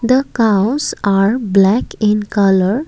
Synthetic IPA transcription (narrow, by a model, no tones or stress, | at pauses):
d̪əkawsaɾblɛkĩnkələɾ